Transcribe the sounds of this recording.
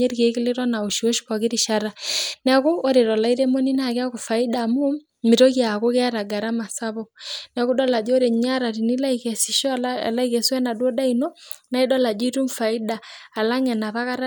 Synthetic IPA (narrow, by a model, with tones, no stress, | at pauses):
ɛ˦ɾike˨˦kɪ˦le˦ɾɔ˦na˨o˨ʃo˦ʃkɔ˨ɣe˦ɾi˨ʃa˦ɾanɛɣoː˦ɾe˨ɾɔ˨la˦i˦ɾe˦mo˦ni˦na˨ke˦a˦ko˨fa˨i˦damo˦m | me˨to˦ɣja˨ɣo˦ɣe˦a˦ɾa˨ɡa˨ɾa˦ma˨sa˦βɔnɛɣu˦dɔ˦la˨d͡ʒɔ˦ɾe˨ɲɲa˦ɾa˨ɾi˨ni˦la˦ikɛ˨si˨ʃɔ̰˦˨la˦i˦ɣɛ˨swɛ˦na˨dwɔ˦da˦inɔ˦na˦i˦dɔ˦la˨d͡ʒi˦tu˦ɱfa˨i˦daː˨la˦ŋɛ˨na˨βa˦ɣa˦ɾa